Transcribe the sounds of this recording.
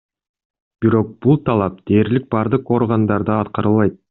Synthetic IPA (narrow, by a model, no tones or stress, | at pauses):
b̥iɾo̞q̚b̥ulˠt̪ʰɑlˠɑp̚d̪̥e̞ːɾlik̚bɑɾd̪ɯqo̞ɾʁɑnd̪ɑɾd̪ɯɑt̪qɑɾɯlˠɑjt̪̚